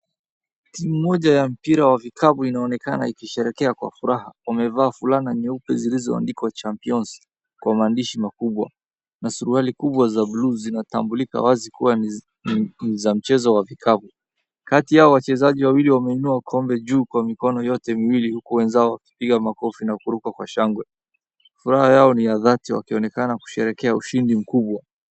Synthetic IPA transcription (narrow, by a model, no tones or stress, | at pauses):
timumɔʄajam̩piɾawavikʰaɓuinaɔnɛkana̰ikiʃɛɾɛkɛakwa̰fuɾaɦawamɛvaːfulanaɲɛupɛzilizɔ̰a̰ndikwat͡ʃampiɔns | kːwamaːndiʃimakuɓwa̰ | nasuɾualikuɓwazabluzinatambulika̰wazikuwa | nizam̩t͡ʃɛzɔwavikʰavu | katijaɔwat͡ʃɛzaʄiwawiliwamɛinuakʰɔmbɛʄuːkwamikɔnɔjɔtɛmiwilihukuwɛnzaɔwaki̥piɠamakɔfinakuɾukwakwa̰ʃaŋɡwɛ | fuɾahajaɔnijaðatiwa̰kiɔnɛkanaku̥ʃɛɾɛkɛauʃindim̩kuɓwa